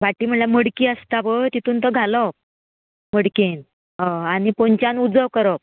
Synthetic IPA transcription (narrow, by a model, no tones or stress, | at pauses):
ʋaʈːiːm̤əɳljaməɽkiːəst̪aʋət̪it̪uːnt̪əɡʱalɔ | məɽken | ɦaanipoɲt͡ɕjanud͡zəʋkəɾəp̚